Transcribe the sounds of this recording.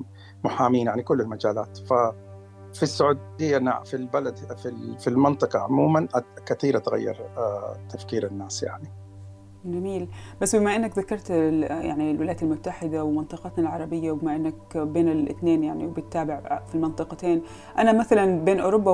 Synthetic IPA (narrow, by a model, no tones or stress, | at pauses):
mʊħaːmiːnjaʕnikʊlːɪlmad͡ʒaːla̰ːt̪fa | fisːʊʕuːd̪ɪjːana̰filbalad̪fifilmɪnt̪ˤɨqɑʕʊmuːmanʔkaθiːɾat̪ɣa̰jːɑ̰ɾˤt̪ʰafkiːɾanːaːsja̰ʕni | d͡ʒamiːlbasːbɪmaʔɪnːakðakɑɾˤt̪ja̰ʕnilwɪlajat̪almʊt̪ːaħɪd̪awmɪnt̪ˤɨqɑt̪nalʕɑɾˤɑbɪjːawbɪmaʔɪnːakbeːnɪlʔɪ̰θneːnjaʕniwbɪt̪ːaːbɪʕfilmɪnt̪ˤɨqɑt̪eːn | ʔanamaθalanbeːnʔo̰ːɾʊbːa